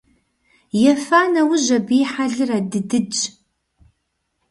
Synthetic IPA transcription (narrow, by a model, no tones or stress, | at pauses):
jɛfaːnɐwʊʑɐbiːħaɮɨradɨdɨd͡ʒ